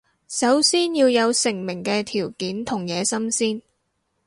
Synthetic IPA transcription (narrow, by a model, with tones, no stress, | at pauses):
sɐ˨˥wsiː˥njiː˧wjɐ˨˧wsɪ˨˩ŋmɪ˨˩ŋkɛː˧t̪ʰiː˨˩wkiː˨˥nt̪ʰʊ˨˩ŋjɛː˨˧sɐ˥msiː˥n